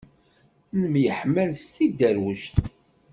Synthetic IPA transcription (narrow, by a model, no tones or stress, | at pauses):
nəmjəħmænst̪id̪ːæɾwəʃt̪